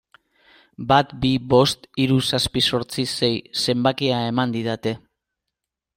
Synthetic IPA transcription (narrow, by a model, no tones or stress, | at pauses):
bat̪biβo̞st̪iɾusaspiso̞ɾt͡sise̞jse̞mbakiae̞mand̪iðat̪e̞